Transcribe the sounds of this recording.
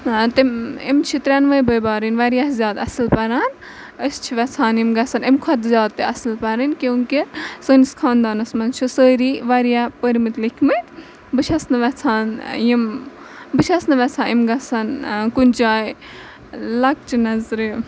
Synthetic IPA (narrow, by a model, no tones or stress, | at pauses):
t̪emḛmt͡ʃʰit̪ɾʲanʋɐjbɐjbaːɾinʲʋaɾijaszʲjaːd̪ɐ̰sɨlpɐɾaːn | əst͡ʃʰiʋɐt͡sʰaːnjimɡɐsɐnemkʰɐt̪zʲjaːd̪̚t̪eɐslpɐɾɐnkeŋkisəːniskʰaːnd̪aːnɐsmɐnt͡ʃʰisəːɾiʋaɾijapəɾmit̪likʰmɨt̪ | bɨt͡ʃʰɐsnɐʋɐt͡sʰaːnjim | bɨt͡ʃʰɐsnɐʋʲɛt͡sʰãːimɡɐt͡sʰɐnkunʲt͡ʃaːj | lɐk̚t͡ʃʰinɐzɾɨ